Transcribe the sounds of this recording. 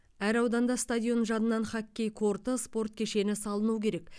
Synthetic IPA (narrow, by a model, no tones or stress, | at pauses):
æɾɑwd̪ɑnd̪ɑst̪adʲjo̞nʒɑnənɑnχɑkʲːejkʰo̞rt̪əspo̞rt̪̚kʲʰe̞ʃe̞nɪsɑlˠənukʲʰe̞ɾe̞k